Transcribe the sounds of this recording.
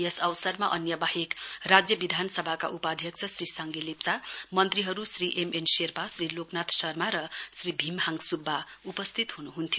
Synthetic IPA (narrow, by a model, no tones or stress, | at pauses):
jesʌwsʌrmaʔʌnjʌbahekrad͡zjʌbid̪ʱanʌsʌbʱaka̰ʔupad̪ʱjʌkt͡sʰʌsrisaŋɡelip̚t͡samʌnt̪riɦʌɾusriʔemenserpasriloknat̪ʰsʌrmaɾʌsribʱimhaŋɡsubʱːaupʌst̪ʰit̪ɦunuɦunt̪ʰijo